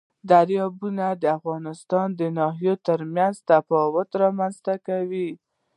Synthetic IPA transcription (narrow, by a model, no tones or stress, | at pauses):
d̪aɾjɑbunad̪əafɣɑnɪst̪ɑnd̪ənɑɦijot̪əɾmjanzt̪afɑwʊt̪ɾɑmanzt̪akawi